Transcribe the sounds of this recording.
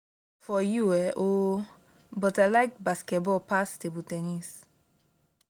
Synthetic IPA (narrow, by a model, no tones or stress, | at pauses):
fɔjuɛʔo | bɔtəlaɪk̚baskɛbɔpast̪ɪbutɛnis